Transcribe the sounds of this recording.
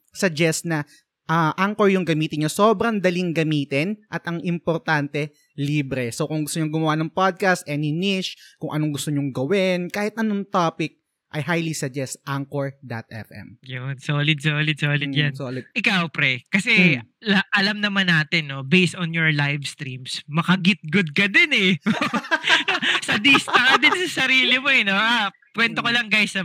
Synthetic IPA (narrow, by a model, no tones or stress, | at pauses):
sɐɡ̚d͡ʒɛst̪̚nɐ | ʔɐʔaŋkoɹjʊŋɡɐmiːt̪ɪɲɲosoːbɾɐŋd̪ɐliŋɡɐmiːt̪ɪnʔɐt̪ʔɐŋʔɪmpoɾt̪ant̪ɛ | liːbɾɛsokʊŋɡʊst̪oɲoŋɡʊmɐwanɐŋpad̪̚kɐst̪̚ʔɛnɪnɪʃkʊŋʔɐnoŋɡʊst̪oɲʊŋɡɐwɪnkaːhɪt̪ʔɐnoŋt̪aːpɪk̚ | ʔɐ̰jɦajlisɐɡd͡ʒɛst̪̚ʔaŋkoɹd̪ɐt̪̚ʔɛ̰fʔɛ̰mjʊnsoːlɪd̪̚soːlɪd̪̚soːlɪjansoːlɪd̪̚ʔɪkawpɾɛkɐsɛlɐʔɐlamnɐmanːaːt̪ɪnːo̞bejst̪ɔnjɔɹlajvst̪ɾimsmɐkɐɡɪt̪̚ɡʊd̪̚kɐd̪ɛnɛ | sɐd̪ist̪ad̪ɪnsɐsɐɾiːlɪmoɛnoʔapwɛnt̪okɐlɐŋɡajsɐ